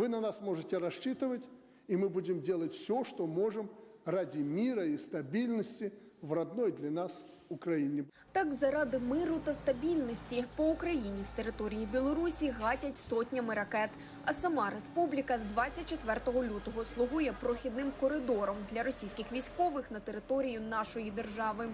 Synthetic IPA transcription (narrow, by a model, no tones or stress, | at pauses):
vɨnɐnasmɔʐɨtʲɪɾɐʂt͡ʃit̪ɨʋətʲ | imɨbudʲɪmdʲelˠətʲfsʲɔʂt̪ɔmoʐɨmradʲɪmʲiɾɐist̪ɐbʲilʲnəsʲtʲi | vrɐd̪nɔjd̪lʲɐnas | ʊkɾɐjinʲɪ | t̪ɑkzɐɾɑd̪ɪmɪɾʊt̪ɐst̪ɐbʲilʲnɔsʲtʲipɔukɾɐjinʲist̪e̞ɾɪt̪ɔɾʲijibʲilˠɔɾusʲiɦɑtʲɐtʲsɔtʲnʲɐmɪɾɐkɛt̪ | ɐsɐmɑɾespublʲikɐzd̪ʋɑt͡sʲːɐt̚ʲt͡ʃet̪ʋɛrt̪ɔɦɔlʲut̪ɔɦɔslˠʊɦujɛpɾɔxʲid̪nɪmkɔɾɪd̪ɔɾɔmd̪lʲɐɾɔsʲijsʲkʲɪxʋʲijsʲkɔʋɪxnɐt̪eɾɪt̪ɔɾʲijʊnɑʃɔjid̪erʒɑʋɪ